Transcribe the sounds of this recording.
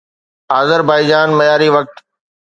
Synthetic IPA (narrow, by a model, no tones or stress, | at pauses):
aːzəɾbaːɪd͡ʑaːnmɐjaːɾiʋɐk̚t̪